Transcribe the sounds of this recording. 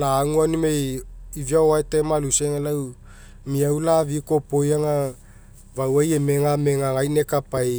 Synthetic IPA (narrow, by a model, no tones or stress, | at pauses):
laːŋuanimejiviaoaetemaluseŋalaw | miawlaviko̞pojaŋa | vawajemeŋameŋaŋajnekapaj